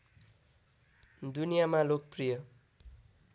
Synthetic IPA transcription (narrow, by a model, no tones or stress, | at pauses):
d̪unijamalok̚prijʌ